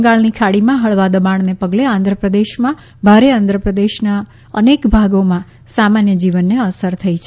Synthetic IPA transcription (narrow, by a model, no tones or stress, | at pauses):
ɡaɭnikʰaɽimãɦəɭʋad̪əmaɳ̃nepəɡleãnd̪ʱɾəpɾəd̪eʃmã | bʱaɾeãnd̪ʱɾəpɾəd̪eʃna | ənekbʱaɡomã | samanjəd͡ʒiʋənːeəsəɾt̪ʰəit͡ʃʰe